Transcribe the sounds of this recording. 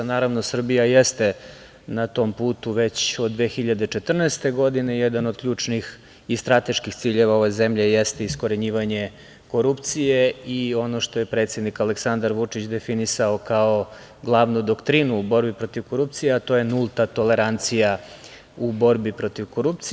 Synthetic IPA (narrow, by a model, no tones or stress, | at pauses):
naːɾaʋno̞sr̩bijajest̪e̞ | nat̪o̞mpuːt̪uʋe̞t͡ɕo̞d̪ːʋexiʎad̪e̞t͡ʃe̞t̪r̩naest̪e̞ɡo̞d̪ine̞jed̪anod̪̚kʎʲuːt͡ʂnix | ist̪ɾat̪e̞ʃkixsiːʎe̞ʋao̞ʋezemʎe̞jest̪eisko̞ɾeɲiːʋaɲe̞ | ko̞ɾupt̪sijeio̞noʃt̪o̞je̞pɾe̞ːt̪sje̞d̪nikaleksand̪aɾʋut͡ʂit͡ɕd̪efinisaokao | ɡlˠaʋnud̪okt̪ɾinuːbo̞ɾbipɾo̞t̪iʋko̞ɾup̚t̪sijeat̪o̞je̞nulˠt̪at̪ole̞ɾant̪sija | ubo̞ɾbipɾo̞t̪iʋko̞ɾupt̪s